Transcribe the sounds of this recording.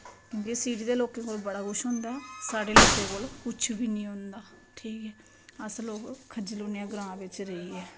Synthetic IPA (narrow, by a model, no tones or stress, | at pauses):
kjõːkesiːɾiːd̪eːloːkẽːkoːlbəɽaːɡʊʃɦõːnd̪aːɛːsaːɖeːloːkeːkoːlkʊt͡ʃʰʋiːnĩːɦʊ̃nd̪aː | ʈʰiːkɛː | əsloːkkʰːəd͡ʒɪloːnijãːɡɾãːʋɪt͡ʃɾəiːɛː